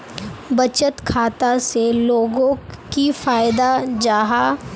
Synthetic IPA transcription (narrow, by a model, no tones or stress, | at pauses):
bɐt͡ʃət̪kʰaːt̪aseloːɡõkifaːɪd̪ad͡ʒaːɦa